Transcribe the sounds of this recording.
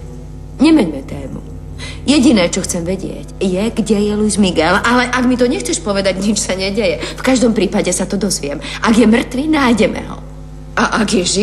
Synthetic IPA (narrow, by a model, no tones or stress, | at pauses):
ɲɛmɛɲmɛt̪ɛːmṵ | jɛɟinɛːt͡ʃɔxt͡sɛmʋɛɟɪɛ̰cjɛɡɟɛjɛlujzmiɡɛlalɛʔaɡmit̪ɔɲɛxt͡sɛʃpɔʋɛd̪aɟɲit͡ʃsaɲɛɟɛjɛfkaʒd̪ɔmpɾiːpaɟɛsat̪ɔd̪ɔzʋɪɛmʔaɡjɛmr̩t̪ʋinajɟɛmɛ̰ɦɔ̰ | ʔaʔaɡjɛʒi